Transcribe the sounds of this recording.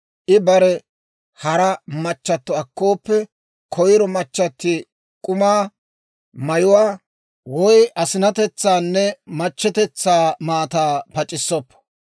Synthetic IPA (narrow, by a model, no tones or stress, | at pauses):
ʔɪbɐɾɛ | hɐɾɐmɐt͡ʃːɐt̪ːɔɐkːo̞ːpːɛ | kʰɔjɪɾɔmɐt͡ʃːɐt̪ːɪ | kʼʊmaː | mɐjʊwaː | wɔjʔɐsɪnɐt̪ɛt͡sːaːnːɛmɐt͡ʃːɛt̪ɛt͡sːaːmaːt̪aːpɐt͡ʃʼɪsːɔpːɔ̥